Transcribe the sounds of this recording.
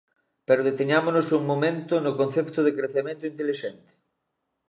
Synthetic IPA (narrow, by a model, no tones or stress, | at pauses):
peɾoðet̪eɲamonosuŋmomẽnt̪onokõn̟θep̚t̪oðekɾeθemẽnt̪oint̪eliʃent̪e̥